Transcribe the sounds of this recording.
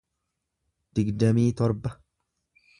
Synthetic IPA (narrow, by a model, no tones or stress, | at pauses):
d̪̥ɪɡd̪ɐmiːt̪ɔɾbɐ